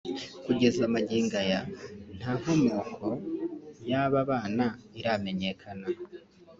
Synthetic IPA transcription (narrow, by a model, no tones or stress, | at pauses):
kuɟe̞zamaɟiːŋɡajan̥haːŋ̥homoːkʰo̞jaːβaβaːnaiɾame̞ɲe̞kʰana